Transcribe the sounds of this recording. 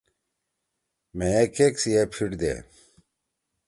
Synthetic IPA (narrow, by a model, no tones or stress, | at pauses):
mejekeksijepʰiɽd̪ḛ